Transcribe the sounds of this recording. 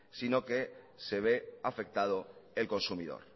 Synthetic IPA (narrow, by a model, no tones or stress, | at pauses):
sino̞ke | se̞β̞eafe̞k̚t̪að̞oelko̞nsumiðo̰ɾ